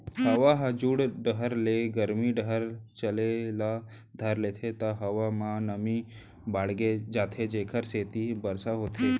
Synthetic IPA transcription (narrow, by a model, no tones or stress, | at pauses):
həʋaɦəd͡ʒuɽɖəɦəɾleɡəɾmiɖəɦəɾt͡ʃəlela | d̪ʱəɾlet̪ʰet̪aɦɐʋamãnəmi | baːɽɡed͡ʒaːt̪ʰed͡ʒeːkʰəɾseːt̪ibəɾsaɦot̪ʰe